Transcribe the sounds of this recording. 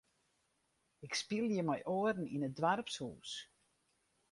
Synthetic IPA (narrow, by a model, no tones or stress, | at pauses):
ɪkspilˠjəmɛjʔoərn̩inədʋarpshṵːs